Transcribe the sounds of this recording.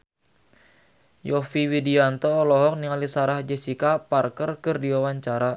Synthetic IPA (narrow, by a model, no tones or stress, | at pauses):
jɔfiwidiant̪ɔːlɔɦɔk̚niŋalisaɾahd͡ʒɛsikaparkərkɨrdiwawaɲt͡ʃaɾa